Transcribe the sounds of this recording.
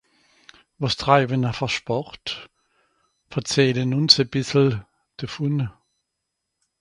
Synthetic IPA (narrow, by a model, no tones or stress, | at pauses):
ʋɔstʁaɪbənafɔʃpɔʁt | fɐt͡sɛːlənʊnsəb̥ɪsl̩ | d̥əfunə